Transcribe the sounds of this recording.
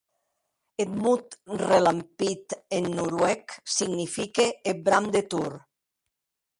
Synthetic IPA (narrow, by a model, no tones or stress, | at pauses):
et̪mut̪relampit̪enːuɾwɛksiɡnifikeːbɾamd̪et̪uɾ